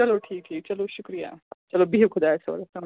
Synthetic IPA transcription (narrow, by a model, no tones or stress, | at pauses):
t͡ʃɐloʈʰiːk̚ʈʰiːk̚t͡ʃɐloʃʊkɾija̰t͡ʃɐlobʱiːʋkʰʊd̪asɐʋɐ̰ɾɐt̪ɐm